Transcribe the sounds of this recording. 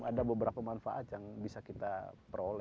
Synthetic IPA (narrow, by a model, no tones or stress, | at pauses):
adabəbəɾapamanfaʔat̪jaŋbisakit̪apɾolɛ